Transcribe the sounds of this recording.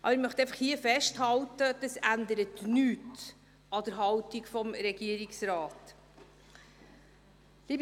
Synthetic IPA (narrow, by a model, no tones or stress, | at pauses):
ʔɑ̰bəɾɪɾmœχtɛɪfɑχhiːəfɛʃthɑltəd̥ɑsændəɾətnyːt | ɑd̥əɾɦɑwtikfɔmɾɛɡiəɾiksɾɑːt | liːb